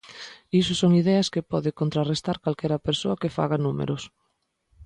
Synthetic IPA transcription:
isʊsoŋiðɛɐskepɔðɪkont̪ɾarest̪aɾkalkɛɾɐpeɾsoɐkefa̰ɣanumḛɾʊs

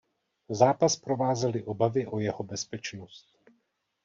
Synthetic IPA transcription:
zaːpaspɾo̞vaːzɛlɪʔo̞bavɪʔojɛhobɛspɛt͡ʃnost̪̚

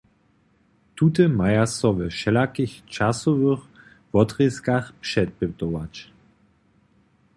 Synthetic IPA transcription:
tutəmajasɔvəʃɛlakixt͡ʃasɔvəχ | vɔtʁiskaχpʂɛt̚bətɔwat͡ɕ

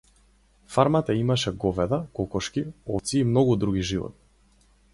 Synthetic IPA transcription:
faɾmat̪aimaʃɛɡɔvɛd̪akɔkɔʃkiɔt̪siːmnɔɡud̪ɾuɡiʒivɔ̰t̪̚

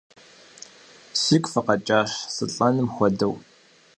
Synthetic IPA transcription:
sɪkʷʼfɨqɐt͡ʃʼaːʂsɨ̰ɬʼɐnɨmxʷɔdɐw

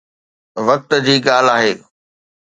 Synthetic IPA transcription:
ʋɐk̚t̪d͡ʑiːɠaːl̤aːɦeː

